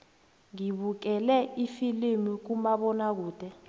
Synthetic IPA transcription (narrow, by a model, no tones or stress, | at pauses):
ŋiɓuk̬ɛlɛifilimik̬umaɓɔnak̬uːd̥ʱɛ